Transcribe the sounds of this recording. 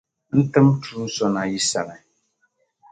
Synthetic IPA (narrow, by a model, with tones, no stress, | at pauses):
n̩˦tɨ˦mtʰu˦˨˦n̩˦sɔ˦na˨ji˦sa̰˨ɾɛ˨